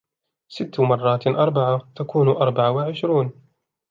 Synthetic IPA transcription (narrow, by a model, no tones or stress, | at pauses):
sɪt̪ːmɑrˤːɑːt̪ʔɑɾˤbaʕat̪akuːnʔɑɾˤbaʕawɪʕɪʃɾuːn